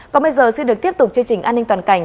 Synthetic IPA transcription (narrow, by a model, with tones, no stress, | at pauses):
kɔ˨˦nɓə˧jzəː˨˩si˧nɗk̚t̪i˦˥əp̚t̪ʊ˨˩k͡p̚t͡ɕɨ˧əŋt͡ɕï˨˩ʔaː˧ni˧ŋt̪waː˨˩nka˧˩jŋ̟